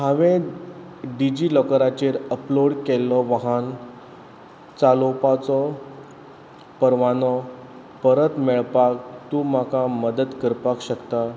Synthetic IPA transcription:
ɦaʋẽ | ɖid͡ʑiːlɔkəɾat͡ɕeɾəploɽkɛlːɔʋaɦan | t͡salopat͡sɔ | pəɾʋanɔ | pəɾət̪mɛɭpak̚t̪ũːm̤akaməd̪ət̪kəɾpakɕəkt̪a

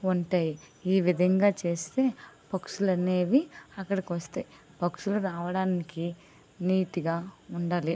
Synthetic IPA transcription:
uɳʈaːji | iːʋid̪ʱɐŋɡaːt͡ʃe̞ːst̪e̞ːpɐkʂulɐne̞ːʋiɐkːɐɽɐkiʋɐst̪ɐj | pɐkʂuluɾaːʋɐɽaːniki | niːʈiɡaːuɳɖaːli

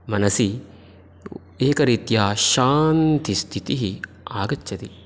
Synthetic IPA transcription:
mɐnɐsi | eːkɐɾit̪jaːʃaːnt̪ʰist̪ʰit̪iɦi | aːɡɐt͡ʃːʃʰɐt̪i

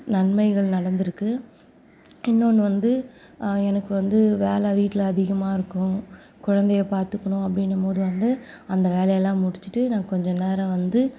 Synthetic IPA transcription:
nɐɳmɐɪɣɐɭnɐɽɐnd̪ɪɾɯkːɯ | ɪnːoːɳːɯʋɐnd̪ɯ | ɛnɐkːɯʋɐnd̪ɯʋeːlɛʋiːʈːɪlɐɐðɪɣɐmaːɪɾɯkːʊ̃ | kʊɻɐnd̪ɐjɐpaːɾt̪ɯkːɐɳʊ̃ɐpːɐɽɪnːɐpoːðɯʋɐnd̪ɯ | ɐnd̪ɐʋeːlɐjɛlːãːmʊɽɪt͡ʃːɯʈːɯnãːkɔɲd͡ʒɔ̃neːɾɐ̃ʋɐnd̪ɯ

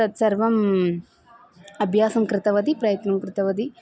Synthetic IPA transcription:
ɐt̪sɐɾʋɐm | ɐbʱjaːsɐmkɾɪt̪ɐʋɐd̪ipɾɐjɐt̪nɐmkɾɪt̪ɐʋɐd̪i

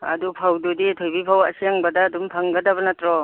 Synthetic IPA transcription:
ɐ̰dupʰawduditʰojbipʰawɐ̰sijaŋbɐdaːdumpʰaŋɡɐdɐbɐnatɾɔ

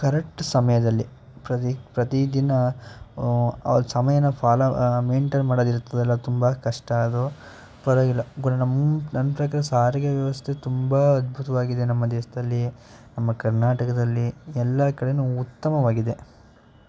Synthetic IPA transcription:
kɐɾek̚ʈsɐmɐjɐd̪ɐlːi | pɾɐipɾɐt̪id̪inɐ | ɐ̰ʋɐlsɐmɐjɐnːɐpʰaːlɐmeːɳʈɐɾmaːɽod̪iɾut̪ːɐd̪ɛlːɐt̪umbɐkɐʂʈɐɐd̪u | pɐɾɐɡilːɐɡunɐnɐmnɐnːɐpɾɐkaːɾɐsaːɾɐɡɐʋjɐʋɐst̪ʰe̞t̪umbaɐd̪̚bʱut̪ɐʋaːɡid̪e̞nɐmːɐd̪eːʃɐd̪ɐlːi | nɐmːɐkɐɾnaːʈɐkɐd̪ɐlːiɛlːɐkɐɽenuut̪ːɐmɐʋaːɡid̪e̞

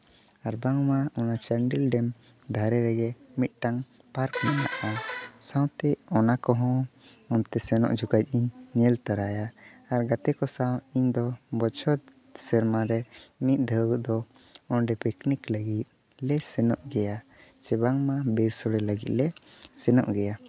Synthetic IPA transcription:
aɾbaŋmaɔnat͡ʃaɳɖilɖɛm | d̪ʱaɾɛɾɛɡɛ | mit̪̚ʈaŋ | paɾkmana̰ʔasãw̃t̪ɛɔnakɔɦɔ̃ | ɔnt̪ɛsɛnɔ̰ʔd͡ʒukac̚ˀiɲːɛlt̪aɾajaː | ɾɡat̪ɛkɔsawiɲd̪ɔbɔt͡ʃʰɔt̪̚ | sɛɾmaɾɛmit̪̚ˀd̪ʱəɡʔd̪ɔ | ɔnɖɛpikniklaɡit̪̚ˀ | lɛsɛnɔʔɡɛja | t͡ʃɛbaŋmabɛsɔɽɛlaɡit̪̚lɛsɛnɔ̰ʔɡɛja

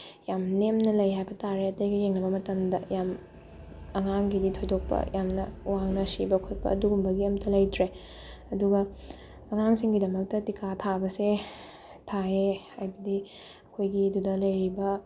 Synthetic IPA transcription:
jamnemnɐlɐjɦajbɐtaɾeɐtɐjɡɐjeŋnɐbɐmɐtɐmdɐjam | ɐŋaŋɡiditʰojdok̚pɐ̰jamnɐ̰waŋnɐsibɐkʰot̚pɐ̰ːduɡumbɐɡiɐmtʰɐlɐjtɾe | ɐduɡɐ | ɐŋaŋsiŋɡidɐmɐk̚tɐtikʰatʰabɐse | tʰae | ajbɐdi | ɐkʰojɡidudɐlɐjɾibɐ

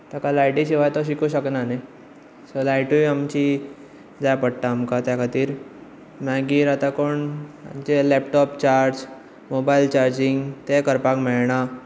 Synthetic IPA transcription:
t̪akalajʈiɕiʋajt̪oɕ̬ikuɕəknanaj | səlajʈuiamt͡ɕi | d͡zajpəɽt̪aːmkat̪jakʰat̪iːɾ | maɡiːɾat̪akoɳa̰mt͡ɕelɛpʈɔpt͡ɕaɾd͡ʑ | mobailt͡ɕaɾd͡ʑiŋɡt̪ekəɾpakmɛɭɳ̃a

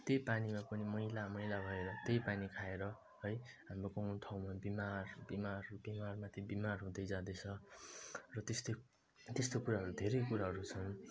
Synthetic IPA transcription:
t̪ejpanimapʌnimʌilamʌjlabʱʌeɾʌt̪ejpanikʰaeɾʌ | ɦʌjɦamrokʌ̃ʈʰʌwmabimarbimarbimarmat̪ʰibimarɦũd̪ʌjd͡zãd̪et͡sʰʌ | rʌt̪est̪o | t̪est̪okuɾaɦʌɾud̪ʱeɾʌjkuɾaɦʌɾut͡sʰʌn

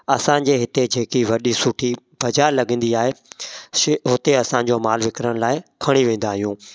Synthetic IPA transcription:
ɐsãːd͡ʑeːɦɪt̪ed͡ʑeːkiʋɐɗisʊʈʰi | bɐd͡ʑaːɾlɐɡə̃ːnd̪iaːɦe | ɦʊt̪eɐsãɲd͡ʑoːmaːlʋɪkɾəɽ̃laːɪkʰɐɽ̃iʋẽːn̆d̪aːɦijũː

